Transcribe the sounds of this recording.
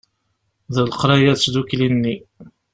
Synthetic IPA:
ðəlqɾˤɑjæθsðuklinːi

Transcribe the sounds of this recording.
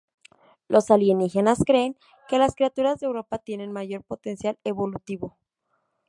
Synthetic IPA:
lʔo̞saljenixe̞naskɾe̞ːŋ | ke̞laskɾiat̪uɾazðeewɾo̞pat̪je̞ne̞nmaʝo̞ɾpo̞t̪e̞nsjale̞βo̞lut̪iβo̞

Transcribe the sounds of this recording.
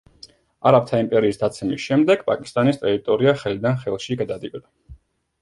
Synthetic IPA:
aɾap̚t̪ʰaimpʼɛɾiːsd̪at̪sʰɛmisʃɛmd̪ɛɡ̥pʼa̰kʼi̥st̪ʼanist̪ʼɛɾit̪ʼɔɾiaχɛlid̪anχɛlˠʃiɡad̪ad̪ibʼd̪a

